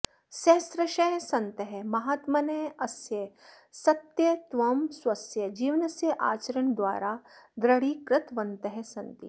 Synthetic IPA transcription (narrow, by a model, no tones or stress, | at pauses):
ʃeːsɾɐʃɐjsɐ̃nt̪ɐɦemɐɦaːt̪mɐnɐːɐsjɐ | sɐt̪jɐt̪ʋɐmswɐsjɐd͡ʒiːʋnɐsjɐʔaːt͡ʃɐɾɐɳd̪waːɾad̪ɾɐɽikɾɪt̪ʋɐ̃nt̪ɐɦesɐnt̪ḭ